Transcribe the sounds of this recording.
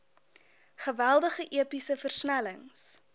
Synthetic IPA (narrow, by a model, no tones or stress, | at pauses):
χəvælˠdəχəʔiəpisəfərsnæləŋs